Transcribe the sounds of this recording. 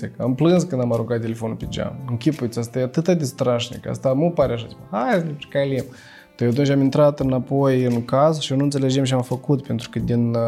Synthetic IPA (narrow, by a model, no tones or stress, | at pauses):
ekamplɨnskɨnd̪amaɾuŋkat̪t̪ːʲe̞le̞fonupʲed͡ʒa̰mɨŋkʲipujit̪sʲast̪ajeat̪ɨt̪ad̪est̪ɾaʃnḭka̰st̪amupaɾeaʃ̬aimahajsnipt͡ʃi̥kajlim | d̪̥ajat̪̬unt͡ʃʲamint̪ɾat̪ɨnapojɨnkazʃionuɨnt̪seled͡ʒemʃiamfəkut̪pe̞nt̪ɾu̥kəd̪in